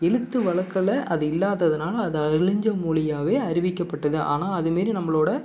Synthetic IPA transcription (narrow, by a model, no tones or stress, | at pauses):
ɛɻɯt̪ːɯʋɐɭɐkːɐɭɐʔɐðɯɪlːaːðɐðɐnaːlɐːðɯɐɾɭɪɲd͡ʒɐmuːɭɪjaːʋeːɐɾɪʋɪkːɐpːɐʈːɐðɯʔa̰ːnaːɐðɯmeːɾinɐmːɐɭoːɽɐ